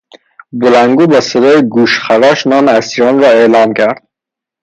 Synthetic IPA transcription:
bulaŋɡubased̪ɔiɡuʃχaɾɔʃnɔnasiɾɔnɾɔeːlɑnkʰaɾd̪̥̚

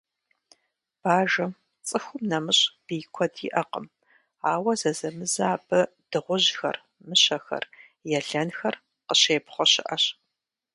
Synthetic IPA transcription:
b̥aːʒɐ | t͡sʼɨxʷʊmnɐmɨɕʼb̥iːkʷʰɔdḭʔɐqə̰m | aːwɐzɐzɐmɨzaːbɐ | d̥ɨʁʷʊʑxɐ̰r | mɨɕɐxɐ̰r | jɛɮɐnxɐr | qəɕeːpχʷɔɕɪʔɐɕ

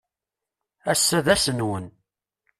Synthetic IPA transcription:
æsːæðæsənwən

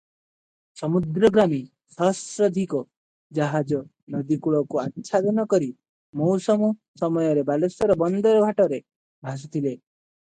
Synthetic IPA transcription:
sɔmud̪ɾɔɡɾami | sɔɦsɾɔd̪ʱikɔ | d͡ʒaɦad͡ʒɔ | nɔd̪ikuɭɔkuatːʃʰad̪ɔnɔkɔɾi | mɔwsɔmusɔmɔjɔɾebalosɔɾɔbɔnd̪ɔɾɔbʱaʈɔɾe | bʱas̬ɔt̪ʰile

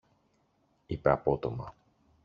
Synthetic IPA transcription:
ipeɐpo̞t̪o̞mɐ

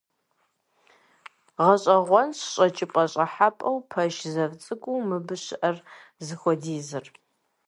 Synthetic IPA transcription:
ʁɐɕʼɐʁʷɔnɕɕʼt͡ʃʼɪpʼɐɕʼɐħapʼɐwpʰɐʃzɐvt͡sʼɨkʷʼuːmɨbɨɕɪʔɐr | zɨxʷɔdiːzɨr

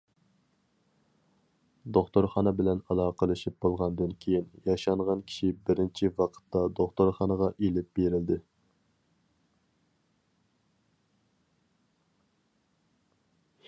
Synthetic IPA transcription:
d̪oχt̪oɾχɑnɨbɪlɛnɑlˠɑːqʰəlˠɨʃip̚bolˠʁɑnd̪ɨnkʲʰejinjɑʃɑɴʁɑnkʲʰi̥ʃibɪɾɪnt͡ʃʰiwɑqʰə̥t̪ːɑd̪oχt̪oɾχɑnəʁɑʔelɪp̚beɾɪld̪ɪ

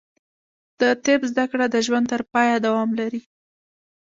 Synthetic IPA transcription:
d̪̥ət̪ebzd̪akɽad̪əʒwand̪̚t̪əɾpɑjad̪awɑmlaɾi

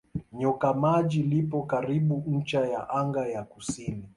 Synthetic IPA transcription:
ɲɔkamaʄilipɔkaɾiɓunɲ̩t͡ʃaja̰ʔaŋɡajakusini

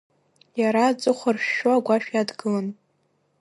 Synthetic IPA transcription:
jaɾad͡zʼɨχʷarʃᶣʃoaɡʷaʃᶣjadɡɨlan

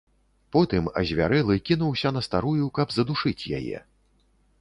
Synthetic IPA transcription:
pɔt̪ɨmɐ̰zʲvʲa̰ɾɛlˠɨkʲinuwsʲɐnɐst̪aɾujukɐbzɐd̪uʂɨt͡sʲja̰jɛ̰

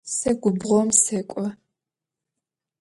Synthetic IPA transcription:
sɐɡʷʊbʁʷɔmseːkʷʼɔ

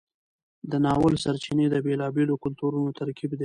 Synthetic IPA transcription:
d̪ənɑwəlsaɾt͡ʃined̪əbelɑbelokʊlt̪uɾunot̪aɾkibd̪e

